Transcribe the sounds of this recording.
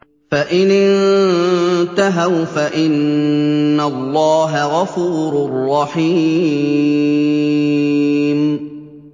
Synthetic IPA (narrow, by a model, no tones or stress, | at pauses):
faʔɪnɪn | t̪aɦawfaʔɪnː | alːɑːɦaɣɑfuːɾʊrˤːɑħiː | m